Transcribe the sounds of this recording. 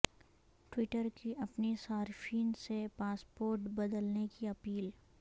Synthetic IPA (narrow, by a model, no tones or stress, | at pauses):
ʈwɪʈəɾkiʔɐpnesaːɾfʰiːnsepaːspoːɾʈbɐd̪əlnekiɐpiːl